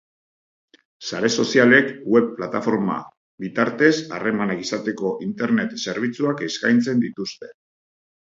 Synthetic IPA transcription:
saɾe̞so̞siale̞kwe̞βpːlat̪afo̞ɾma̰ | bit̪aɾt̪e̞sa̰re̞manakisat̪e̞ko̞ʔint̪e̞ɾne̞t̪se̞ɾβ̞it͡suakeskajnt͡se̞nd̪it̪ust̪e̞

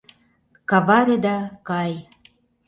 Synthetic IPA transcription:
kɑvɑɾed̪ɑkɑj

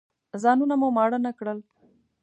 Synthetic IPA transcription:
zɑnunamumɑɽənakɽəl

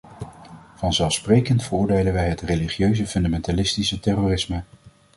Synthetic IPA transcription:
v̥ɑnzɛlˠfsprejkəntfərʊːɹdejlənʋɛjɦətreliχjøɥzəfɵndamɛntalɪstisətɛrorɪsmə

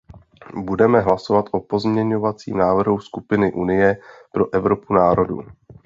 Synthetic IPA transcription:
budɛmɛɦlaso̞vat̪ʔopo̞zmɲɛɲovat͡sḭːmnaːvr̩ɦuskupɪnɪʔunɪjɛpɾo̞ʔɛvɾo̞punaːɾo̞dṵ

